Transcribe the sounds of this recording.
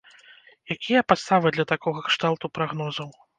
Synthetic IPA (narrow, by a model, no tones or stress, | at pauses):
jakʲijɐpat̪st̪avɨd̪lʲɐt̪akɔɣɐkʂt̪alˠt̪upɾaɣnɔzɐw